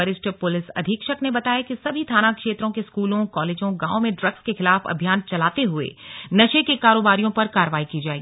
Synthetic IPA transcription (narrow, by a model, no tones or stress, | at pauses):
əɾɪsʈpʊlɪsɐ̰d̪ʱikʃɐknebɐt̪aːjakisɐbʱit̪ʰaːnakʃeːt̪ɾõkeskuːlõkɔːleːd͡ʒõɡãːõmẽɖɾɐɡskexɪlaːfɐ̰bʱjaːnt͡ʃɐlaːt̪eɦʊḛnɐʃekekaːɾoːbaːɾijõpɐɾkaːɾəʋaːikid͡ʒaːeɡiː